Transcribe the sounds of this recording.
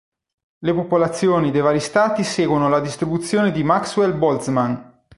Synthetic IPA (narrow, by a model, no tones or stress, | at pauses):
lepopolat̪sːjoːnid̪ejvaːɾist̪aːt̪iseːɡwonolad̪ist̪ɾibut̪sːjoːned̪imakswelbɔlt̪sman